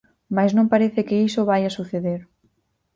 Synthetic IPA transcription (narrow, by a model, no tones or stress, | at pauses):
maznõŋpaɾeθɪkɪisoβajasuθeðeɾ